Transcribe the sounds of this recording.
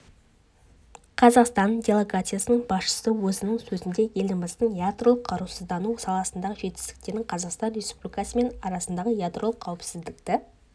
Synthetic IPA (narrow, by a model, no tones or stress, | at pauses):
qʰɑzɑqst̪ɑnd̪ʲe̞lˠe̞ɡat̪sɨjasənəɴbɑsʃə̥səwɵzɪnɪŋsɵzɪnd̪e̞je̞lɪmbɑst̪əɴjad̪rolˠəqʰːɑɾusəzd̪ɑnusɑlˠɑsənd̪ɑʁəʒe̞t̪ɪ̥st̪ɪ̥k̚t̪e̞ɾɪŋqʰɑzɑqst̪ɑnɾʲe̞spublʲijkɑsəme̞nɑɾɑsənd̪ɑʁəjad̪ro̞lˠəqʰːɑwɪpsɪzd̪ɪkt̪ɪ